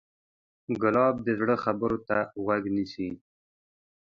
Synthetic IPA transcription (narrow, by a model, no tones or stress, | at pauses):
ɡʊlɑb̚d̪əzɽəxabəɾot̪aɣwaɡnisi